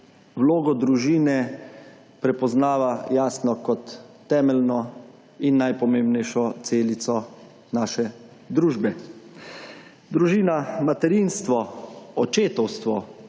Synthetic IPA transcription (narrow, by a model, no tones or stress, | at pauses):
wloːɡɔd̪ɾuʒiːnɛ | pɾɛpɔznaːʋajaːsnɔkɔt̪ː | ɛːmɛlnɔ | inːajpɔmẽːmbnɛjʃɔt̪seːlit̪sɔ | naːʃɛ | d̪ɾuːʒbɛ | d̪ɾuʒiːnamat̪ɛɾinst̪ʋɔɔt͡ʃeːt̪ɔwst̪ʋɔ